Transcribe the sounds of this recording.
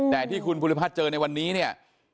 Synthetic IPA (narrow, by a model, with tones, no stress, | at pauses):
t̪ɛː˨˩t̪ʰiː˥˩kʰu˧npʰu˧li˦˥pʰaː˥˩t̪̚t͡ɕɤː˧na˧jwa˧nːiː˦˥ni˥˩ɐ